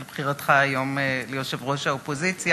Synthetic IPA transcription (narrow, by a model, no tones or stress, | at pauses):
lbχiʁat̪χaːjo̞mlejoʃevʁo̞ʃaopo̞zit͡sja